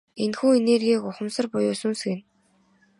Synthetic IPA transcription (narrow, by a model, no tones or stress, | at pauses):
enxuːenerɣʲiːkʊχə̆msə̆rpʊjʊːsunsɡɘ̆n